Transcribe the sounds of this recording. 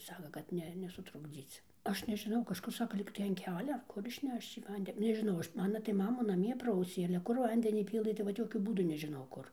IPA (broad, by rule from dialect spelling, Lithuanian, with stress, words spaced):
ˈsɑːkɐ kɐt ˈnʲɛ nʲɛsʊtrʊɡˈd͡zʲiːt͡s ˈɐʃ nʲɛʒʲɪˈnɐʊ kɐʃˈkʊr ˈsɑːkɐ ˈlʲiːktɐɪ ɐn ˈkʲæːlʲɛ ɐr ˈkʊr ɪʃʲˈnʲɛʃt͡ʃ iː ˈʋɐnʲdʲɛ nʲɛʒʲɪˈnɐʊ ˈɐʃ ˈmɑːnɐ tɐɪ ˈmɑːmʊ nɐˈmʲiɛ ˈprɐʊsʲeː ɐlʲɛ ˈkʊr ˈʋɐnʲdʲɛnʲiː ˈpʲiːlˠɘ tɐɪ ʋɐt ˈjoːkʲʊ ˈbuːdʊ nʲɛʒʲɪˈnɐʊ ˈkʊr